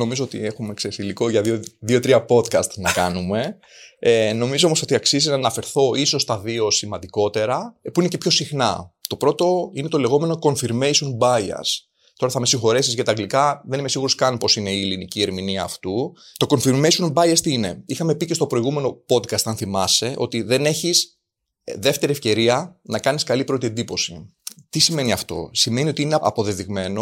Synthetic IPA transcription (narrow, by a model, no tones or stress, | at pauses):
no̞mizoot̪ḭe̞xumeksesilikoʝɐðioðiot̪ɾiɐpo̞d̪kɐst̪nɐkɐnume̞ | eno̞mizoo̞moo̞t̪iɐksiziznɐːnɐfe̞ɾθo̞iso̞st̪ɐvio̞simɐnd̪iko̞t̪e̞ɾɐpuine̞ce̞pço̞sixnɐt̪o̞pɾo̞t̪o̞ine̞t̪o̞le̞ɣo̞me̞no̞ko̞nfiɾmejsonbɐjɐ̰s | t̪o̞ɾɐθɐme̞siŋxo̞ɾesizʝɐt̪ɐɡlikɐðe̞nime̞siɣuɾo̞skɐnpo̞sine̞iːlinicie̞ɾminiɐːft̪ut̪o̞ko̞nfiɾmeisonbɐjɐst̪ine̞̰ixɐme̞pice̞st̪o̞pɾo̞iɣume̞no̞po̞d̪kɐst̪ɐnθimɐse̞ʔo̞̰t̪iðe̞ne̞çis | ðe̞ft̪e̞ɾiefce̞ɾiɐnɐkɐniskɐlipɾo̞t̪ie̞nd̪ipo̞sit̪isime̞niɐft̪o̞̰sime̞niot̪iineɐ̰po̞ðeðiɣme̞no̞